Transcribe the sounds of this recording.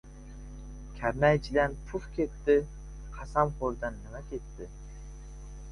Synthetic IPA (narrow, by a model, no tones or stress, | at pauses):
kʲʰæɾmæjt͡ʃʰilænpʰufkʲʰet̪ːɪ | qʰɑsɑmχoɾd̪anːɪmækʲʰet̪ːɪ